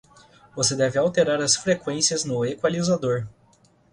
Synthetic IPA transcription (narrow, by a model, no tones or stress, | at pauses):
vosed̪ɛvɪawt̪eɾaɾɐsfɾekwẽsiɐznʊekwalizad̪oɾ